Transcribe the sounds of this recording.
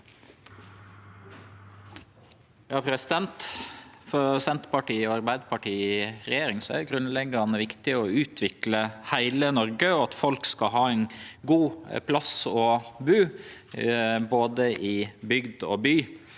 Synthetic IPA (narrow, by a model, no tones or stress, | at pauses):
jɑːpʰɾɛsɪd̪ɛnt̪fɔɾsɛnt̪əpɑʈiːɔːɑɾbæɪd̪əpʰɑʈʰiːɾɛjeːɾɪŋsɔæ̰ɡɾʉnlɛɡɑnəʋɪkt̪ɪɔʉːt̪ʰʋɪkləhæɪlənɔɾɡəɔɑt̪fɔlkskɑɦɑːɛɪnɡuːpʰlɑsɔːbʉː | boːd̪əʔɪbʏɡd̪o̰ːbyː